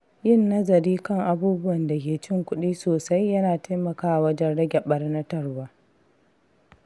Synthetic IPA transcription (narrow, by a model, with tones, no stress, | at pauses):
jɪ˦˨nːɐ˦zɐ˨ɾiː˦kɐ˦˨ŋʔa˨buː˦bʊ˦wɐ˨nda˨kʲeː˨t͡ʃɪ˦˨ŋkʷʊ˦ɗiː˦soː˨sa˦jːɐ˦naː˨ta˦jmɐ˨kaː˦ʔa˨wɐ˦d͡ʒɛ˦nɽɐ˦ɡʲɛ˨ɓɐ˦rnɐ˦tɐ˦rwaː˦